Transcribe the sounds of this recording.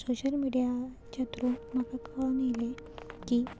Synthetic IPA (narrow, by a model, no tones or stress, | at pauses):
soɕəlmiɽija | t͡ɕat̪ɾuməkakanjile | kiː